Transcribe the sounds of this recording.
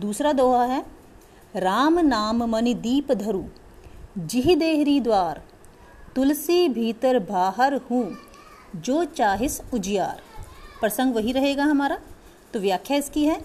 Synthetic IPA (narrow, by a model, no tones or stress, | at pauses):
d̪uːsɾad̪oːɦaɦɛː | ɾaːmnaːmmɐnid̪iːpd̪ʱɐɾuː | d͡ʒɪɦid̪eːɦɾid̪waːɾ | t̪ʊlsibʱiːt̪əɾbʱaːɦəɾhũ | d͡ʒoːt͡ʃaːɦɪsʊd͡ʒɪja̰ːɾpɾɐsə̃ŋɡʋɐɦiɾɐɦeːɡaɦɐmaːɾa | t̪oʋjaːkʰjaɪskiɦɛː